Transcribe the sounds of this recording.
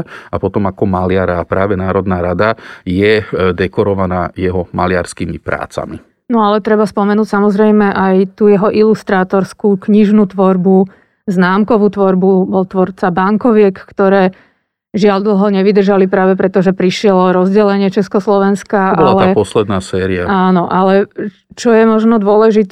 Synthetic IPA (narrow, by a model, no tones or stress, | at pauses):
apɔt̪ɔmakɔmalɪaɾaapɾaːʋɛnaːɾɔd̪naːɾad̪ajɛd̪ɛkɔɾɔʋanajɛɦɔmalɪa̰ɾskiːmḭpɾa̰ːt͡sa̰mḭ | nɔalɛt̪ɾɛbaspɔmɛnuːcsamɔzɾɛjmɛʔajt̪uːjɛɦɔʔilust̪ɾaːt̪ɔɾskuːkɲiʒnuːt̪ʋɔɾbu | znaːmkɔʋuːt̪ʋɔɾbubɔlt̪ʋɔɾt͡sabaŋkɔʋɪɛkkt̪ɔɾɛː | ʒɪaʎd̪l̩ˠɦɔɲɛʋid̪r̩ʒalipɾaːʋɛpɾɛt̪ɔʒɛpɾiʃɪɛlɔɾɔzɟɛlɛɲɪɛt͡ʃɛskɔslɔʋɛnskabɔalalɛapɔslɛd̪naːsɛːɾiaaːnɔʔalɛ | t͡ʃɔjɛmɔʒnɔd̪ʊɔlɛʒit̪